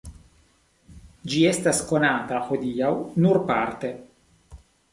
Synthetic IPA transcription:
d͡ʒiestasko̞nat̪axo̞d̪iawnuɾpaɾt̪e̞

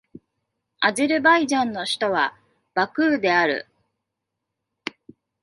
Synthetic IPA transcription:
aʑiɾɯ̟baiʑãnːo̞ɕi̥t̪o̞βa | b̥akɯ̟ːd̪e̞aɾɯ̟̰

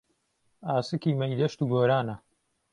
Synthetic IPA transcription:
aːsɨkiːmɐjd̪ɐʃt̪uɡoːɾaːnɐ

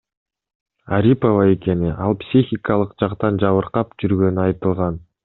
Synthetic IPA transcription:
aɾʲipovae̞ke̞niʔɑlˠpsʲixʲikɑlˠɯqd͡ʒɑqt̪ɑnd͡ʒɑβɯɾqɑpd͡ʒyɾɡø̞nyɑjt̪ɯlˠʁɑn

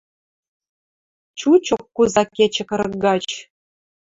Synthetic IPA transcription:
t͡ɕut͡ɕokːuzɑkʲːet͡ɕɘ̆kɤ̆ɾɤ̆ɡɑt͡ɕ

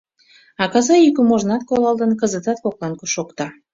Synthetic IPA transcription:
ɑkɑzɑjykəmoʒnɑt̪̚kolɑlˠd̪ənkəzət̪ɑt̪̚koklɑnkuʃokt̪ɑ

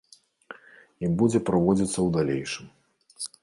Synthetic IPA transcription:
ibud͡zʲɛpɾavɔd͡zʲit̪sːɐwd̪alʲejʂɨm

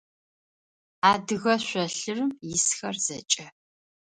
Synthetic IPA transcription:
aːdɨɣɐɕʷɐɬɨrɨmjɪsxɐrz̥ɐt͡ʃʼɐ

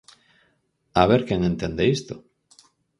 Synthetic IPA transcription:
aβeɾkeŋẽnt̪end̪eist̪o

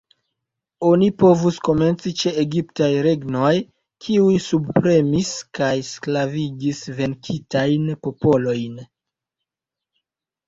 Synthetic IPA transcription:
o̞nipo̞vusko̞me̞nt͡sit͡ʃe̞eɡiptajɾe̞ɡno̞j | kʰiujsubpɾe̞miskajsklaviɡisve̞nkʰitajnpo̞po̞lo̞jn

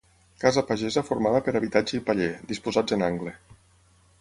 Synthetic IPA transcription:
kazəpaʒezəfuɾmaðəpəɾaβit̪ad͡ʒeipaʎed̪ispuzad͡zənaŋɡle

